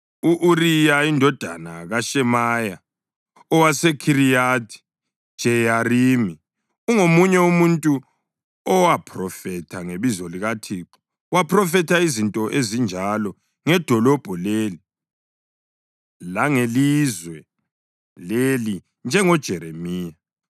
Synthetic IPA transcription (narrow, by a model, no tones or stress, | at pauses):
uʔuɾijaindʱɔd̥ʱa̰naɣaʃɛmaja | ɔwasekʰiɾijatʰi̥ | ʒ̥ʱɛjarimi | uŋomuɲɛumuntʼu | ɔwapʰrɔfɛtʰaŋeβizɔliɣatʰiǁɔ̥ | wapʰrɔfɛtʰaizintʼɔʔezind͡ʒʱalɔ | ŋɛd̥ʱɔlɔb̥ʱɔleli | laŋelizwɛ | leli | nd͡ʒʱɛŋɔd̥ʒ̥ʱɛɾemiːja